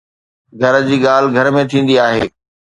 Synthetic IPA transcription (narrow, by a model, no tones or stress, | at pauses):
ɡʱɐɾd͡ʑiːɠaːl̤ɪɡʱɐɾmẽt̪ʰĩːn̆d̪iaːɦeː